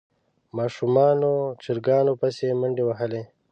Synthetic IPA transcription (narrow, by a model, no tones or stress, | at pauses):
mɑːʃumɑːnot͡ʃiɾɡɑːnopəseməɳɖewɐɦəle